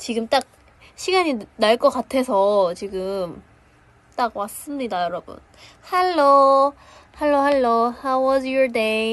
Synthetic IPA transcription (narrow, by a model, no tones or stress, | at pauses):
t͡ɕiɡɯmt͈ak̚ | ɕʰiɡaɲinaɭk͈ʌk͈atʰe̞sʰʌt͡ɕiɡɯm | t͈ak̚mas͈ɯmɲidajʌɾʌbṵn | haɭːo | haɭːohaɭːohawwʌzjɔ˞de